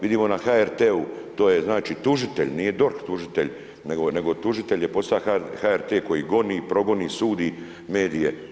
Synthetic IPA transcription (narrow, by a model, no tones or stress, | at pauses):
ʋid̪imo̞naxaeɾt̪eut̪oːje̞znaːt͡ʃit̪uʒit̪ḛʎʲnije̞d̪o̞ɾxt̪uʒit̪eʎ | neɡone̞ɡo̞t̪uʒit̪e̞ʎje̞po̞st̪aahaeɾt̪eːko̞jiɡo̞niːpɾo̞ɡo̞niːsuːd̪i | me̞ːd̪ije̞